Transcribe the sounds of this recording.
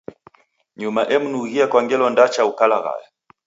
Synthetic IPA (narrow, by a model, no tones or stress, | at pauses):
ɲumaʔɛmunuɣiakwaŋɡɛlɔndat͡ʃaukalaɣa̰ja